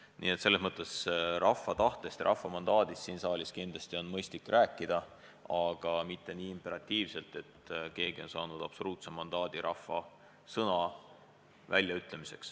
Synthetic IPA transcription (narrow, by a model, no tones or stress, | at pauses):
nḭːet̪se̞lːe̞smɤt̪ːˑe̞srʔɑfːɑt̪ɑht̪est̪ɾʔɑ̰fːɑmɑnd̪̥ɑːd̪̥isːiːnsɑːlʲiskind̪̥lɑsʲt̪io̞nmɤjst̪likːrʔæːkˑːid̪̥ɑ | ɑɡ̥ɑmit̪ːe̞niːimpe̞ɾɑt̪ʲːiːvse̞lt̪e̞t̪ke̞ːɡ̥io̞nsɑːnud̪̥ɑb̥so̞luːt̪semːɑnd̪̥ɑːd̪̥iɾʔɑfːɑ | sɤnɑ | vælʲjɑyt̪ˑle̞mise̞̰ks